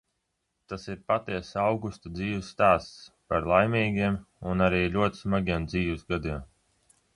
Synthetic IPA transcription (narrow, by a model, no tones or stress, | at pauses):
t̪asiɾpat̪iɛsawɡust̪ad̪ziːwɨsːt̪aːst̪spaɾlˠajmʲiːɡʲiɛm | unaɾiːlʲuɔt̪i̥smaɡʲiɛmd̪ziːwuzɡad̪iɛm